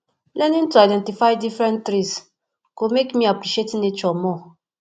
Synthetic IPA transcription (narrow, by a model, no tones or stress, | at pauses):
lɛnĩn̩tuajdɛ̃ntifajdifɾɛ̃ntɾis | komekmiapɾiʃietnet͡ʃɔmɔ